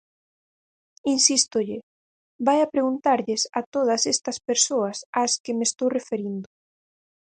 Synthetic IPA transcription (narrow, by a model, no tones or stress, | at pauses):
insist̪ʊʎɪ | bajɐpɾeɣunt̪aɾʎɪsɐt̪oð̞ɐsɛst̪ɐspeɾsoɐsaskɪmest̪owrefeɾind̪ʊ